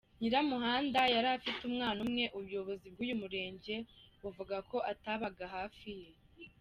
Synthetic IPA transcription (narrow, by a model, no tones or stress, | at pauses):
ɲiɾamuɦaːndajaɾafitumŋaːnumŋe̞ʔuβjo̞βo̞zib̚ɡuːjumuɾe̞ːɲɟe̞βuvuɡako̞ʔataβaɡaɦaːfije̞